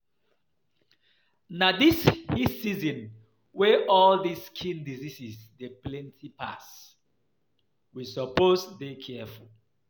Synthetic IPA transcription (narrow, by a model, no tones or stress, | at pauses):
nadishisizɔ̃n | wɛʔɔldiskʰĩndizisisdeplɛ̃ntʰipʰa̰s | wisɔposdekʰɛful